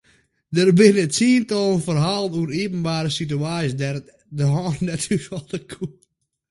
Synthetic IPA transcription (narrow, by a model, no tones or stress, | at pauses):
dərbɪnətsiːntɔlˠənfərɦaːlˠənuəɾiəpənbaːɾəsityaːisdɛr | dəɦɔːnnɛtʰyfɔlˠdəkʰu